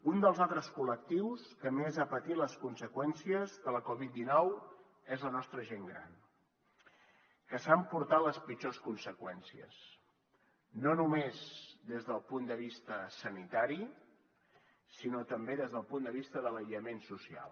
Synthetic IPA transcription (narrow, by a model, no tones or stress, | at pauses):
und̪əlˠzalˠt̪ɾəskulək̚t̪iwskəmezapət̪iləskunsəkwɛnsiəzðələkɔβit̪̚d̪inɔw | ezlənɔst̪ɾəʒeŋɡɾa̰n | kəsampuɾt̪aləspid͡ʒoskunsəkwɛnsiə̰s | nonumezd̪ezðəlˠpund̪əβist̪əsənit̪aɾi | sinot̪əmbeðezðəlˠpund̪əβist̪əðələʎəmensusia̰lˠ